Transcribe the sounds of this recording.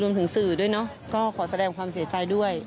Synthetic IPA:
ɾu˧mt̪ɯ˩˦ŋsɯː˨˩du˥˩əjnɔ˦˥ʔ | kɔː˥˩kʰɔː˩˦sa˧dɛː˧˩ŋkwaː˧msi˩˦t͡ɕaː˧jdu˥˩əj

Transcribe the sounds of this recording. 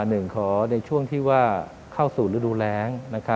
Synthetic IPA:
nɯ˨˩ŋkʰɔː˩˦na˧jt͡ɕʰu˥˩əŋt̪ʰiː˥˩waː˥˩ | kʰa˥˩wsuː˨˩ɾɯː˨˦˥duː˧lɛː˦˥ŋna˦˥kʰa˦˥

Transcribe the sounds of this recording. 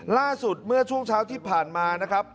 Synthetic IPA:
laː˥˩su˨˩t̪̚mɯ˥˩ɐt͡ɕʰu˥˩ŋt͡ɕʰaː˦˥wt̪ʰiː˥˩pʰaː˨˩nmaː˧na˦˥kʰɾa˦˥p̚

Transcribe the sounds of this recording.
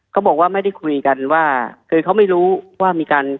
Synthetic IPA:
kʰa˦˥wbɔː˨˩k̚waː˥˩ma˥˩jda˥˩jkʰu˧jka˧nwaː˥˩kʰɯː˧kʰa˦˥wma˥˩jɾuː˦˥waː˥˩miː˧kaː˧n

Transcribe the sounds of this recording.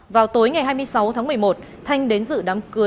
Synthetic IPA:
vaː˨˩wt̪o˨˦jŋa˨˩jɦaː˧jmɨ˧əjsa˨˦wt̪ʰaː˨˦ŋmɨ˨˩əjmo˨˩t̚ | t̪ʰa˧jŋ̟ɗe˨˦nzɨ̰˧˨ɗaː˨˦mkɨ˨˦ə

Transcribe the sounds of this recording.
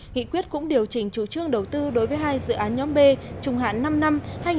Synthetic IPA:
ŋḭ˧˨kwi˦˥ət̚kʊ̰˧˥ŋ͡mɗi˨˩əwt͡ɕï˧˩ŋ̟t͡ɕu˧˩t͡ɕɨ˧əŋɗə˨˩wt̪ɨ˧ɗo˨˦jvəː˨˦jɦaː˧jzɨ̰˧˨ʔaː˨˦nɲɔ˨˦mɓe˧t͡ɕʊ˨˩ŋ͡mha̰ː˧˨nːa˧mna˧mhaː˧jŋ

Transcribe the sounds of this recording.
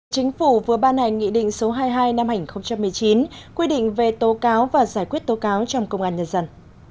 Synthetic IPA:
t͡ɕï˨˦ŋ̟fu˧˩vɨ˨˩əɓaː˧nːa˨˩jŋḭ˧˨ɗḭ˧˨ŋ̟so˨˦ɦaː˧jɦaː˧jna˧mha˧˩˨i˨˩xə˧ŋ͡mt͡ɕa˧mːɨ˨˩əjt͡ɕi˨˦nkwi˧ɗḭ˧˨ŋ̟ve˨˩t̪o˨˦kaː˨˦wvaː˨˩zaː˧˩jkwi˦˥ət̚t̪o˨˦kaː˨˦wt͡ɕɔ˧ŋ͡mkə˧wŋ͡mʔaː˧nɲə˧nzə˧n

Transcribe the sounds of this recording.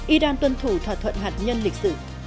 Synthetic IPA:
ʔi˧ɗaː˧nt̪wə˧nt̪ʰu˧˩t̪ʰwaː˧˩t̪ʰə̰˧˨nhaː˨t̚ɲə˧nli˨˩k̚sɨ̰˧˩

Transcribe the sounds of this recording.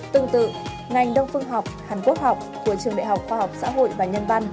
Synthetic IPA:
t̪ɨ˨˩ŋt̪ɨ̰˧˨ | ŋa˨˩jŋ̟ɗə˧wŋ͡mfɨ˧əŋɦɔ˨˩wk͡p̚haː˨˩nku˦˥ək̚ha˨˩wk͡p̚ku˧˩ət͡ɕɨ˨˩əŋɗḛ˧˨ɦa˨˩wk͡p̚xwaː˧˩hɔ˨˩wk͡p̚sa̰ː˧˥ɦo̰˧˨jvaː˨˩ɲə˧nva˧n

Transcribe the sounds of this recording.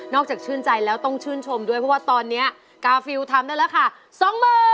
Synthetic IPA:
nɔː˥˩k̚t͡ɕaː˨˩k̚t͡ɕʰɯː˥˩nt͡ɕa˧jlɛː˦˥wt̪ɔ˥˩ŋt͡ɕʰɯː˥˩nt͡ɕʰo˧mdu˥˩əjʰpʰɔ˦˥waː˥˩t̪ɔː˧nːi˦˥ɐ | kaː˧fi˧wt̪ʰa˧mdaː˥˩jlɛː˦˥kʰa˥˩ | sɔ˨˧˦ŋmɤː˧

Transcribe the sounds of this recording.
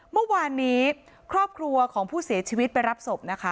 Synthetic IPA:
mɯ˥˩waː˧nːiː˦˥ | kʰɾɔː˥˩p̚kʰɾu˧ɐkʰɔː˩˦ŋpʰuː˥˩si˨˩˦ɐt͡ɕʰiː˧wi˦˥t̪̚pa˧jɾa˦˥p̚so˨˩p̚na˦˥kʰa˦˥

